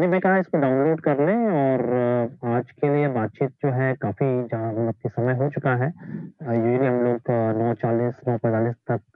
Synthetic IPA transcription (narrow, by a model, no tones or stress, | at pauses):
nĩmɛ̃kɐɦaɪskoɖaːʊnloːɖkɐɾlẽɔːɾaːd͡ʒkeliebaːt̪̚t͡ʃiːt̪̚d͡ʒoːɦɛkaːfid͡ʒɐɦãɐp̚kisɐməjɦot͡ʃʊkaɦɛ | juːd͡ʒliɦɐmloːɡnɔːt͡ʃaːliːsnɔːpɛ̃t̪aːliːst̪ɐk̚